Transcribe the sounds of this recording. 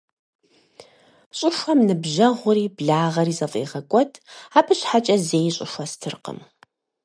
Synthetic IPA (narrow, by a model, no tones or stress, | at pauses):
ɕʼʊfʷɐmnɨbʑɐʁʷʊɾiːbɮaːʁɐɾiːzɐfʼḛːʁɐkʷʼɔtʰaːpʰɨɕħat͡ʃʼɐzeːjɕʼʊʃʷɐstʰɨrqə̰m